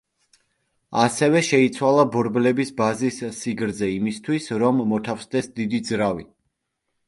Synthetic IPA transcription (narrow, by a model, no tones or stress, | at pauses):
asɛvɛʃɛit̪sʰwalˠabɔɾblɛbisbazisːiɡɾzɛimist̪ʰwisɾɔmːɔt̪ʰafsd̪ɛsd̪id̪id̪zɾavi